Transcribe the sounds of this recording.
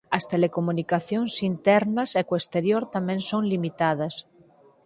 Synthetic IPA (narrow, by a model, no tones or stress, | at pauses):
ɐst̪elekomunikaθjoŋsint̪ɛɾnɐsekoest̪eɾjoɾt̪amẽnsoŋlimit̪að̞ɐs